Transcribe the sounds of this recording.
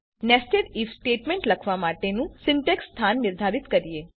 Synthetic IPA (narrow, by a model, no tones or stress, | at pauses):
nesʈeɖifsʈeʈmẽɳʈləkʰʋamaʈenũsɪɳʈekst̪ʰanːɪɾd̪ʱaɾɪt̪kəɾie